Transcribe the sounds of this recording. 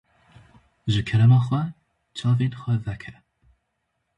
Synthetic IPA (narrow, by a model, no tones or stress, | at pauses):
ʒɨkʰɛɾɐmɑːxʷɐ | t͡ʃʰɑːveːnxʷɐvɛkʰɛ